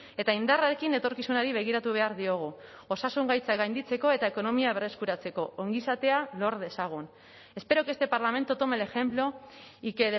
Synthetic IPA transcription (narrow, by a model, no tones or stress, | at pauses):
e̞t̪aind̪araɾe̞kine̞t̪o̞ɾkisunaɾiβ̞e̞ɣ̞iɾat̪uβ̞e̞aɾðio̞ɣ̞u | o̞sasuŋɡajt͡saɡajnd̪it͡se̞ko̞e̞t̪aeko̞no̞miaβ̞e̞re̞skuɾat͡se̞ko̞ʔoŋɡisat̪e̞alo̞ɾðe̞saɣ̞un | e̞spe̞ɾo̞ke̞st̪e̞paɾlame̞nt̪ot̪omele̞xe̞mplo̞ikeð